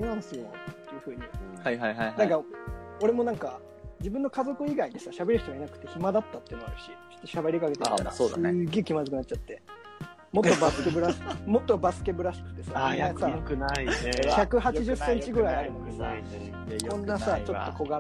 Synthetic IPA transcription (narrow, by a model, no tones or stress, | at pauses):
enãñsɨot̪ːeɯ̟ɸɯ̟ːɲ̟iajajɦajnãŋkao̞ɾe̞mo̞nãŋka | d͡ʑibɯ̟̃nːo̞kazo̞kɯ̟iɡaiɲisaɕabe̞ɾʲɯ̟ç̥t̪oɡainakɯ̟̥t̪ːeçimad̪at̪ːat̪ːeiɯ̟noaɾɯ̟ɕi | e̥t̪ːoɕabe̞ɾʲikake̞t̪eit̪a̰osːd̪ɨɡe̞kʲimazɨkɯnat͡ɕːat̪ːe̞ | mo̞t̪ːobasɨkebɯ̟ɾaskmo̞t̪ːo̞basɨ̥ke̞bɯ̟ɾaɕi̥kɯ̟̥t̪ːe̞sanasakɯnaiççakɯ̟ɦat͡ɕiʑɨsːẽ̞ɲt͡ɕiɡɯ̟ɾaiiaɾɯ̟nod̪esa̰ | kõ̞nːasat͡ɕo̞t̪ːo̞ko̞ɡa